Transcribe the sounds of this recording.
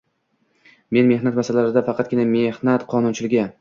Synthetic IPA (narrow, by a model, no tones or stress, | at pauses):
me̞nme̞ɦnat̪masalaɾɪd̪afɑqʰɑt̪̚ɡʲɪnamehnat̪qʰɒnʊnt͡ʃʰɪlɪɡʲɪ